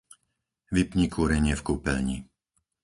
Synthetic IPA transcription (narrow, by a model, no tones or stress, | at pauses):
ʋipɲikʰuːɾɛɲɪɛfkuːpɛ̰lɲi